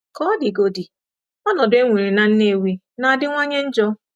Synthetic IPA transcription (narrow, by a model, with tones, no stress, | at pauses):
kɔ˦dɪ˨ɡo˨di˨ | ɔ˦nɔ˨dʊ˦e˦ŋʷi˨ɾi˨na˨n̩˦ne˦˨wi˦ | na˨a˨dɪ˦ŋʷa˦ɲe˦n̩˦d͡ʒɔ˦